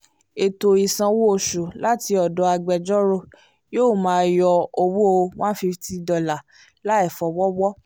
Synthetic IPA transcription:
e˨to˨i˨sã˧wo˦o˦˨ʃu˨la˦ti˧ɔ˨dɔ˨˦a˧ɡ͡bɛ˧d͡ʒɔ˦ɾo˦˨ | joː˦˨mãː˨˦jɔ˧o˧wu˦o˧w̃ã˦fi˧ti˦˧dɔ˨la˨ | la˦ɛ˦˨fɔ˨wɔ˦wɔ˦

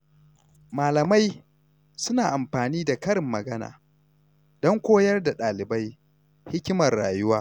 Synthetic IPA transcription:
maː˨lɐ˨ma˦j | sʊ˦naː˨ʔa˨mɸaː˨niː˦da˨kɐ˦ɾɪ˨mːɐ˨ɡɐ˦na̰ː˨ | dɔ˦ŋkʷoː˦jɐ˦rda˨ɗaː˨lɪ˨ba˦j | hɪ˦kʲɪ˦mɐ˨rːa̰ː˨jʊ˦waː˦

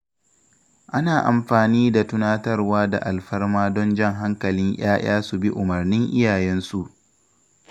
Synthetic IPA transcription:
ʔa˦naː˨ʔa˨mɸaː˨niː˦da˨tʊ˦naː˦tɐ˦rwaː˦da̰˨ʔa˨lɸɐ˦rmaː˦dɔ˦nd͡ʒɛ˦ŋɦa˦ŋkɐ˨lɪ˦ŋʔj̰aː˦j̰aː˦su˨bi˦ʔʊ˨mɐ˨rnɪ˦ŋʔɪ̰˦jaː˨jɛ˦nsu˨ʔ

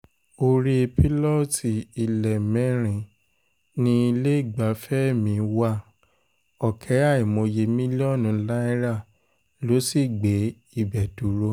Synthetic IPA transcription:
o˧ɾi˧pi˦lɔ˦˨ti˨i˨lɛ˨mɛ̃˨˦ɾ̃ĩ˨ | nĩ˧i˧le˦i˦˨ɡ͡ba˨˦fɛ˦˨mĩ˧˦wa˧˦ | ɔ˨kʰɛ˨˦a˦˨i˨mõ˧je˧mĩ˦li˦ɔ˦˨nũ˨˧˦la˦i˦ɾa˦˨ | lo˨˦si˦˨ɡ͡be˨˦ | i˦˨bɛ˨du˨˦ɾo˧˦

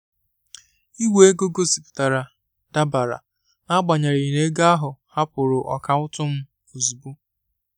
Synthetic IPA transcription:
i˦we˦e˦ɡo˦ɡo˦si˨pʊ̥˨ta˨ɾa˨ | d̥a˦ba˨ɾa̰˨ | a˦ɡ͡ba˨ɲa˨ɾi˨ne˦ɡa˦a˦ɦʊ˨ha˦pʊ˨ɾʊ˨ʔɔ˨ka˨ʊ˦tʊ˦m̩˦ | o˨zu˨bu˦

